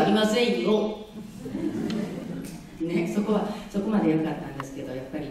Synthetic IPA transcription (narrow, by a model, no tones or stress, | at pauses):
ɾʲimaseio | neso̞ko̞βaso̞ko̞mad̪e̞jaɾɯ̟kat̪ːãnd̪e̞sɨ̥ke̞d̪o̞japːaɾʲi